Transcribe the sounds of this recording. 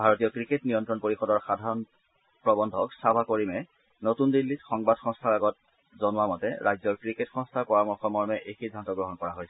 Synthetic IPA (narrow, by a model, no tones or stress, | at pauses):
bʱaɹotijɔkɹiketnijɔntɹɔnpoɹixɔdɔɹxadʱaɹɔn | pɹɔbɔndʱɔksabʱakoɹimɛ | notundilːitxɔŋbadxɔ̃ŋstʰaɹaɡɔt̚ | zɔnʊwamɔtɛ̰ɹajzɔɹkɹiketxɔ̃ŋstʰaɹpɔɹamɔɹxɔmɔɹmɛʔejxidʱːantɔɡɹɔɦɔnkɔɹaɦojsɛ̥